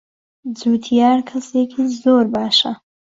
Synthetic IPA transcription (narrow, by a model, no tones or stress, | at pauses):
d͡zuːt̪ʰijaːɾkʰɐsekʰiːzoːɾbaːʃɐ